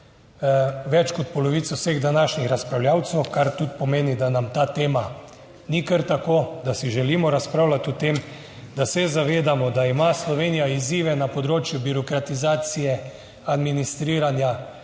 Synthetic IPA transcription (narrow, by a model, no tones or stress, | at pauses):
ʋɛt͡ʃkɔt̪̚pɔlɔʋit̪sɔwseɣd̪anaʃnixɾaspɾawljaːwt̪sɛwkaɾt̪ut̪̚pɔmeːnid̪anamt̪aːt̪eːma | nikəɾt̪akoːd̪asiʒɛlimɔɾaspɾaːwlat̪ɔt̪em | d̪asɛzaʋeːd̪amɔd̪aimaslɔʋeːnijaiziːʋɛnapɔd̪ɾoːt͡ʃjubiɾɔkɾat̪izaːt̪sijɛ | ad̪minist̪ɾiːɾanja